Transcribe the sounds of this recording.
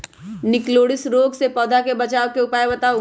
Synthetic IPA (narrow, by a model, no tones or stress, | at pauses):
nɪkloːɽɪsɾoːɡsepɔːd̪ʱakebɐt͡ʃaːʋkeʊpaːjbɐt̪a